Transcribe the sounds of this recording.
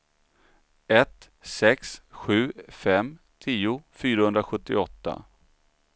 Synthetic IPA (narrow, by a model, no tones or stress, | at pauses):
ɛt̪ | sɛksɧʉ̟ːfɛm | t̪ʰiːʊfyːɾahɵnd̪ɾaɧɵt̪ːɪɔt̪ːa̰